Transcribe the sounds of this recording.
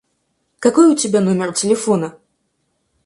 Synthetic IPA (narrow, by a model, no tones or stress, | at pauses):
kakojʊtʲɪbʲanɔmʲɪrtʲɪlʲɪfonə